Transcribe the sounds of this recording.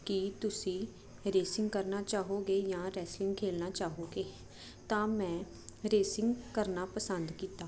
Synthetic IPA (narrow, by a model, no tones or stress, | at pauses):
kɪt̪ʊsĩː | ɾeːsɪ̃ŋɡkəɾnaːt͡ʃaːɦoːɡeːjãːɾɛːslɪ̃ŋɡkʰeːlnaːt͡ʃaːɦoːɡeː | t̪ãːmɛ̃ː | ɾeːsɪŋɡkəɾnaːpəsənd̪kiːt̪aː